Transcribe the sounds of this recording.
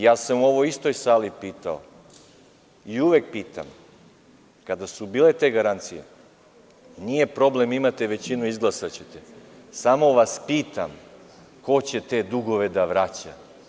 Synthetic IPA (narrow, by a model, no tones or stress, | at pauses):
jaːsamuo̞ʋoist̪o̞jsaːlipiːt̪ao̰ | iuʋek̚piːt̪a̰m | kad̪asubiːlet̪e̞ɡaɾant̪sijḛ | nije̞pɾo̞ble̞mimat̪eʋe̞t͡ɕinuizɡlˠasat͡ɕet̪esamo̞ʋaspiːt̪am | ko̞t͡ɕe̞t̪e̞d̪uɡo̞ʋe̞d̪aʋɾat͡ɕa̰